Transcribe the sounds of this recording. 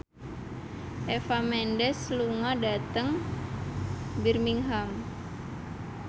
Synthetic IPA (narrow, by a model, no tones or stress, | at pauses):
ʔefamɛndɛsluŋadat̪əŋ | birmiŋɦam